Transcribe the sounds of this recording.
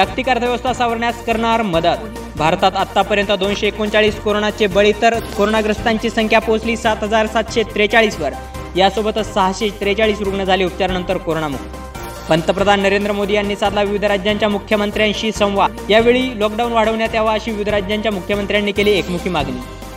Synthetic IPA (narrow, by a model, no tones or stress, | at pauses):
jak̚t̪ikaɾt̪ʰəʋjʋəst̪ʰasaʋəɾɳjaskəɾɳaɾməd̪ət̪ | bʱaɾt̪at̪at̪ːapəɾjənt̪əd̪onɕeːkont͡saɭiːskoɾoɳat͡ɕebəɭiːt̪əɾkoɾoɳaɡɾəst̪aɲt͡ɕiːsəŋkʰjaposliːsat̪ɦəd͡zaɾsat̪ɕet̪ɾet͡saɭiːsʋəɾ | jasobət̪ət͡ssəɦaɕet̪ɾet͡saɭiːsɾuɡɳəd͡zʱaliːup̚t͡ɕaɾnənt̪əɾkoɾoɳamukʰi | pənt̪əpɾəd̪ʱanːəɾend̪ɾəmod̪ijanːiːsad̪laʋiʋid̪ʱɾad͡ʑjaɲt͡ɕjamukʰjəmənt̪ɾjãnɕiːsə̃w̃ʋa | jaʋeɭiːlɔkɖaunʋaɽ̤əʋɳjat̪jaʋaəɕiːʋiʋid̪ʱɾad͡ʑjaɲt͡ɕjamukʰjəmənt̪ɾjanːiːkeliːekmukʰiːmaɡnḭː